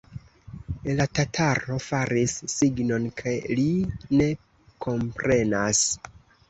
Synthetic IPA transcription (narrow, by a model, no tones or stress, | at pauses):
latatʰaɾo̞faɾisːiɡno̞nkʰajline̞ | kʰo̞mpɾʔe̞nas